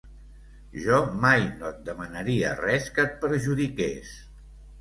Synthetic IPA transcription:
ʒɔmajnoət̪̚d̪əmənəɾiə̰rɛskət̪̚pəɾʒuðikes

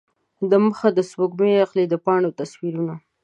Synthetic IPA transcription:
d̪əməxad̪əswoɡmeaxled̪əpɑɳot̪aswiɾuna

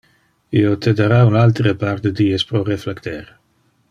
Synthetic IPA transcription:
iot̪ed̪aɾaunalt̪ɾəpaɾd̪əd̪iːespɾoreflekt̪eɾ

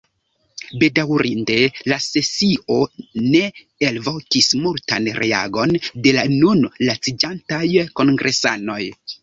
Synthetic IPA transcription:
be̞dawɾʔinde̞lase̞sio̞ne̞ | elvo̞kismulta̰nɾʔe̞̰a̰ɡo̞nde̞lanunlat͡sid͡ʒantajko̞ŋɡɾʔe̞sa̰no̞j

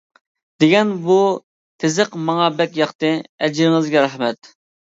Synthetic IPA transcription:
d̪̥eɡʲɛnbu | t̪ʰezɨqmɑŋɑbɛkʲjɑqt̪ɨɛd͡ʒɪɾɪŋɨzɡʲɛɾɑχmɛt̪

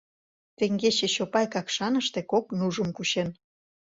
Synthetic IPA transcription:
t̪eŋɡet͡ɕeɕopɑjkɑkʃɑnəʃt̪ekoknuʒə̆mkuɕen

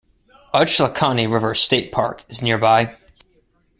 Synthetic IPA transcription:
ʌt͡ʃləkʰɑniɹɪvə˞steɪt̚pʰɑ̰ɹkɨznɪɹbaɪ

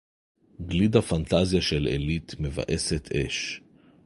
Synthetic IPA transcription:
ɡlid̪afant̪azjaʃelḛlit̪me̞va̰ʔe̞set̪ʰʔe̞̰ʃ

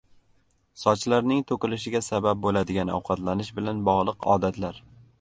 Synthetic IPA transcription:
sɒt͡ʃlaɾnɪŋt̪ʰokʲɪlɪʃɪɡʲasabap̚bolad̪ɪɡʲanɒ̰wqʰɑt̪ʰlanɪʃbɪlanbɒʁlˠɨqʰɒ̰ːd̪at̪ʰlaɾ

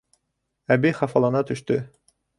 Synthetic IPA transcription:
æbiχɑfɑlˠɑnɑt̪ɵ̆ʃt̪ɵ

